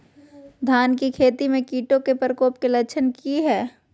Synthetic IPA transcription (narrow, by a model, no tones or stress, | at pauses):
d̪ʱaːnkikʰeːt̪imẽkiːʈõkepəɾəkoːpkelɐt͡ʃʰənkiɦɛː